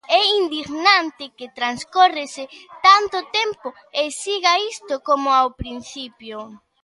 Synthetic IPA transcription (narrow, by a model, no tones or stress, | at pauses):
ɛind̪iɣnant̪ɪkɪt̪ɾanskorɪsɪt̪ant̪ʊt̪ɛmpʊ | esiɣaist̪ʊkomʊawpɾin̟θipjo